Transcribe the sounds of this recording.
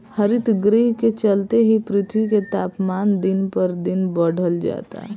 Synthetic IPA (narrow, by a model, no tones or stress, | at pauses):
həɾit̪ɡɾiɦket͡ʃəlt̪eɦipɾɪt̪ʰwiket̪aːpmaːnd̪inpəɾd̪inbəɽ̤əld͡ʒa̰ːt̪a̰